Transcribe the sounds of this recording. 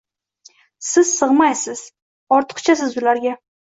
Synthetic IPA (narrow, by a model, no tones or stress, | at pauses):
sɪz̥sɨʁmajsɪz̥ | ɒɾt̪ʰɨ̥qt͡ʃʰas̬ɪzʊlaɾɡʲa